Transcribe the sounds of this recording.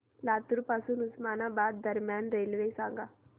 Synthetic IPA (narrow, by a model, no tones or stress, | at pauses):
laːt̪uɾpasunusmaːnaːbaːd̪ːəɾmjaːnɾeːlʋesaːŋɡaː